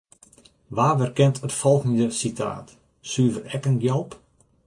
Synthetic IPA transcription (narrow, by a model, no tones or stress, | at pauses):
ʋaːʋərkɛntʰətfɔlˠɣəndəsitʰa̰ːt | syːvərɛkənɡjɛlˠp